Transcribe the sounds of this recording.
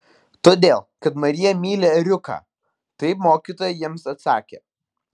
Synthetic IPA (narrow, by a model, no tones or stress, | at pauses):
t̪oːd̪ʲeːlˠkɐt̪mɐɾʲɪjɛmʲiːlʲeːɾʲʊkɑ̰ː | t̪ɐɪpmoːkʲiːt̪oːjɛjiɛmsɐt̪sɑːkʲḛː